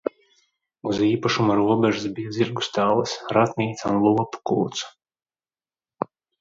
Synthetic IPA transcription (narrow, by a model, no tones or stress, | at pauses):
uziːpaʃumaɾuɔbɛʒɨsbijaziɾɡu̥st̪aːlˠɐsɾat̪nʲiːt̪sunlˠupu̥kṵːt̪su̥